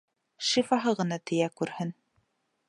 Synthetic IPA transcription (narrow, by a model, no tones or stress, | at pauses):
ʃifɑɦɤʁɤ̆nɑt̪ɘ̆jækʉɾhɘn